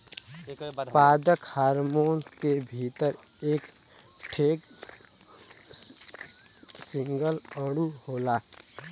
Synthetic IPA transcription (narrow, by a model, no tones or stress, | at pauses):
paːd̪əkhaːɾmoːnk̪ebʱiːt̪əɾ | eːk | ʈʰeːk | sɪ̃ŋɡələɽuhoːlaː